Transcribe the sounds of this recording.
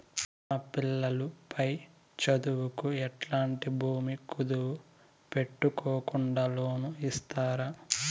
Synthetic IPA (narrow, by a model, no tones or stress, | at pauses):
ɐpilːɐlupʰɐj | t͡ʃɐd̪uwukuɛʈlaːɳʈibʱuːmikud̪uwu | pe̞ʈːukɔːkuɳɖalo̞ːnuist̪aːɾa